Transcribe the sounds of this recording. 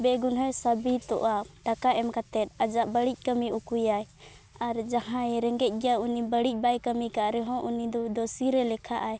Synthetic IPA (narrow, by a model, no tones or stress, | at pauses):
bɛɡunɦɔjsəbit̪ɔ̰ʔaʈakaʔɛmkat̪ɛt̪̚ad͡ʒaʔbəɽic̚ˀkəmiukujaj | aɾd͡ʒaɦãɛɾɛŋɡɛc̚ˀɡɛjaunibəɽic̚ˀbajkəmikaʔɾɛɦɔ̃ʔunid̪ɔd̪ɔsiɾɛlɛkʰa̰ʔaj